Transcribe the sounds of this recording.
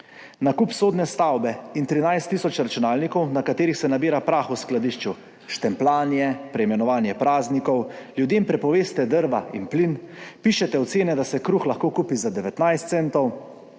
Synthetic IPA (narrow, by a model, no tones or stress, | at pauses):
nakuːpsoːd̪nɛst̪awbɛint̪ɾinajst̪ːiːsɔt͡ʃɾat͡ʃunaːlnikɔwnakat̪eːɾixsɛnabiːɾapɾaːxusklad̪iːʃt͡ʃu | ʃt̪ɛmplaːnjɛpɾɛimɛnɔʋaːnjɛpɾaːznikɔwljud̪eːmpɾɛpɔʋeːst̪ɛd̪əɾʋainplinpiʃɛt̪ɛɔt̪seːnɛd̪asɛkɾuxlaxkoːkuːpizad̪ɛʋɛt̪najst̪sɛnt̪ɔw